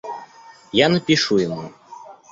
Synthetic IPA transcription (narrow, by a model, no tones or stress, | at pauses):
janɐpʲiʂujɪmu